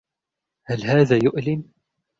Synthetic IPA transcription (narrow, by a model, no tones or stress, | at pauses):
halɦaːðaːjʊʔlɪn